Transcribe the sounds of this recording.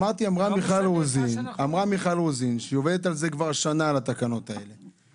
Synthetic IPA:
aʁt̪iamʁamiχalozinamʁamiχalozinʃejo̞ved̪et̪alze̞kvaʁʃanalat̪akano̞t̪ae̞̰le̞

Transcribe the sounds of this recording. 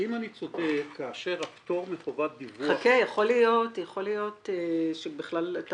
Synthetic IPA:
imanit͡sodekʰːaːʃe̞ʁapt̪o̞ʁmeχovat̪̚bivuχakejaχo̞lijo̞tjaχo̞lijo̞t̪eʃebiχlalat̪

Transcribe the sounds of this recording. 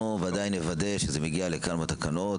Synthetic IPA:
ovead̪ajinevad̪e̞ʃezemeɡialekalmat̪akano̞t

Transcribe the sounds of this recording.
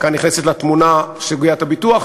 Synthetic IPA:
kaniχnesetlat̪munaʃeɡujatabituaχ

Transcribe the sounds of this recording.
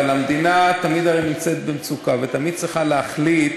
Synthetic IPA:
alamd̪inat̪amid̪aʁenimt͡set̪̚bemt͡sukavet̪amid̪̚t͡sʁiχaleaχlit̪

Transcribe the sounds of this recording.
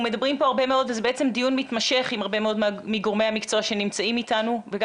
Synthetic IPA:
me̞d̪ɐbʁimpo̞aʁbe̞me̞o̞d̪vezebeet͡se̞md̪ijunmit̪mɐʃe̞χimaʁbe̞meo̞d̪miɡoʁmehamikt͡soaʃe̞nimt͡saimit̪anuveɡ

